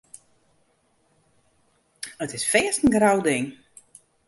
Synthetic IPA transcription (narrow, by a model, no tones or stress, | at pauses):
ətɪsfɛːstən̩ɡrawdɪŋ